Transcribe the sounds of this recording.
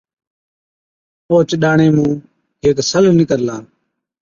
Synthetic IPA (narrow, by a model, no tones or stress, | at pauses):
oːt͡ʃɗaːɳeːmũː | ɦeːksəlnɪkəɾlaː